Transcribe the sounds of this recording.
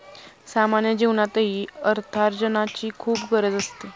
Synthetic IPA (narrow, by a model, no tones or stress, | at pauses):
samanjəd͡ʑeʋnat̪əɦiːəɾt̪ʰaɾd͡ʑənat͡ɕiːkʰuːpɡəɾəd͡zəst̪e